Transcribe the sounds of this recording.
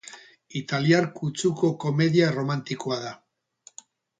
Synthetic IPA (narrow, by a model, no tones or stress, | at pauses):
it̪aliaɾkut͡suko̞ko̞me̞ðiaro̞mant̪iko̞aða